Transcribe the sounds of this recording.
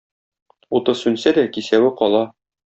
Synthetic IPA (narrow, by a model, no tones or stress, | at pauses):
ut̪ɤsʉnsæd̪ækisæwɘqɒlˠɑ